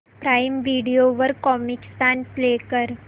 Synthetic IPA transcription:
pɾajmʋiɽijoʋəɾkɔmikst̪anplekəɾ

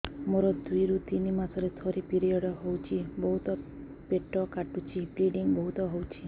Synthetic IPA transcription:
moɾɔd̪ujɾut̪inimasɔɾet̪ʰɔɾipiɾiɔɽɔɦowt͡ʃʰibɔɦut̪ɔ | peʈɔkaʈut͡ʃʰipliɖiŋbɔɦut̪ɔɦowt͡ʃʰi

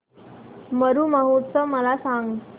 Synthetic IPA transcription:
məɾuːməɦut̪səməlasaŋɡ

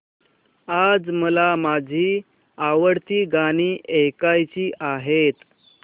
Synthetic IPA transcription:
ad͡zməlamad͡ʑʱiː | aʋəɽt̪iːɡaɽ̃iːʔekajt͡ɕiːʔaɦet̪

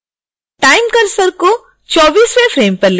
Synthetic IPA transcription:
ʈajmkɐɾsɐɾku | t͡ʃɔːbiːsʋefʰɾeːmpɐɾli

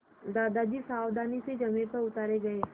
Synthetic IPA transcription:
d̪aːd̪ad͡ʒiːsaːwd̪aːnised͡ʒəmẽpəɾʊt̪aːɾeɡəeː

